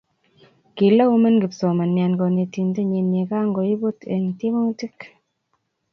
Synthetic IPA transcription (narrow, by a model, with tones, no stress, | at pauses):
ki˨la˦u˦mə˦nɡi˨pso˨ma˨nja˨nɡo˨ne˨ti˨nde˦ɲe˨ne˨ka˦ŋɡo˨i˦bo˦te˨ŋ˨te˦mo˦ŋti˦k